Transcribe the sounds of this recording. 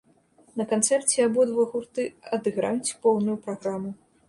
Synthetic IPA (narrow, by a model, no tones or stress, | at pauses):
nɐkant̪sɛrt͡sʲɛabɔd̪vɔɣurt̪ɨɐd̪ɨɣɾa̰jt͡sʲpɔwnujupɾaɣɾamu